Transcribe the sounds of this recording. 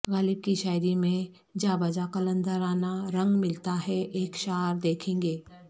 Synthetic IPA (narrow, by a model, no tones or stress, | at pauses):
ɣaːlɪb̚kiʃaːjɾimẽ | d͡ʒaːbɐd͡ʒakələ̃nd̪əɾaːnaɾə̃ŋɡmɪlt̪aɦɛʔeːkʃaːɾd̪eːkʰẽːŋ̆ɡeː